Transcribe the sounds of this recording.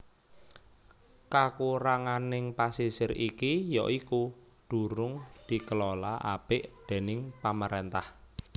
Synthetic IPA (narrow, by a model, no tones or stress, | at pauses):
kakuɾaŋanɪŋpasisɪɾikijɔ̰ʔiku | ɖ̪̥ṳɾʊŋd̪̥i̤kəlɔlaʔa̰b̥ɪʔd̪̥e̤nɪŋpaməɾent̪ah